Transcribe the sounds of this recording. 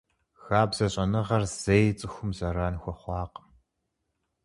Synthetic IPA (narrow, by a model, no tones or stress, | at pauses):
xaːbz̥ɐɕʼɐnɨʁɐrz̥ejt͡sʼɨxʷʊmzɐɾaːnxʷɔχʷɑːq